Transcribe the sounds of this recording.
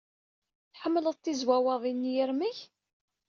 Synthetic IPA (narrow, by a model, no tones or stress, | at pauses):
θħəmːləðˤt̪ːizwæwəðˤinːjəɾmiç